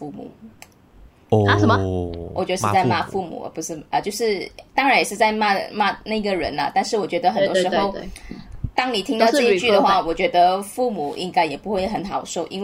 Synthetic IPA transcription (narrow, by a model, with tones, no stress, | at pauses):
fu˥˩mṵ˨˩ | a˥ʂə˨˩˧wɔ˨˩t͡ɕɥ̪ə˧ʂɻ̩˥˧t͡sa˥˧ɪma˥˧fu˥˩mṵ˨˩ə̰˧˩pu˧˦ʂɻ̩˥˩ʔə˧t͡ɕjo˥˧ʊʂɻ̩˥˩t̪ɑ˥ŋɻa˨˦njɛ˨˩ʂɻ̩˥˧t͡sa˥˧ɪma˥˧ma˥˧na˥˩i˥ɡə˩ɻə̰˧˥nlə̰˧t̪a˥˧nʂɻ̩˥˩wɔ˨˩t͡ɕɥɛ˧˥d̪ə˧xə˨˩˧t̪wo˥ʂɻ̩˧˥xo˥˧ʊ | t̪ɑ˥ŋni˨˩t̪ʰi˥ŋt̪ʈ͡ʂɤ˥˧˥t͡ɕy˥˩d̪ə˩xwa˥˩wɔ˨˩t͡ɕɥɛ˧˥d̪ə˧fu˥˩mu˨˦ʔḭ˧˥ŋka˥ɪjɛ˨˩pu˧˥xwe˥˩ɪxə˧˦˥nxɑ˨˩ʊʂo˥˩ʊʔḭ˥nw